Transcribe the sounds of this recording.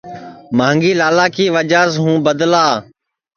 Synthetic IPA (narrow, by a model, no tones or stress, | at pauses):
mãːŋɡiːlaːlaːkʰiːʋəd͡ʒaːsɦũːbəd̪laː